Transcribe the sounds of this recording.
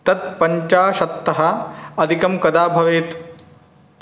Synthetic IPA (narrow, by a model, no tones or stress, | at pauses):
t̪ɐt̪̚pɐɲt͡ʃaːʃɐt̪ːɐɦɐɐd̪ʱikɐmkɐd̪aːbʱɐʋeːt̪